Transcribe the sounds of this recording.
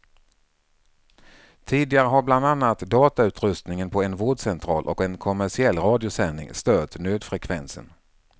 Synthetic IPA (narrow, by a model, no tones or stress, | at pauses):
t̪ʰiːd̪ɪɡaɾəɦaɾbland̪anːat̪d̪ɑːt̪aʉ̟ːt̪ɾɵst̪nɪŋənpʰɔɛnvoːɖsɛnt̪ʰɾɑ̰ːlʔɔ̰kɛnkʰɔmæʂɪɛlːɾɑːd̪ɪʊsɛnːɪ̰ŋst̪øːt̪nøːd̪fɾɛkʰvɛ̰nsə̰n